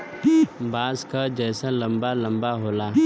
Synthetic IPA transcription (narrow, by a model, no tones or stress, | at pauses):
baːzkad͡ʒɛːsalɐ̃mbalɐ̃mbaɦoːlaː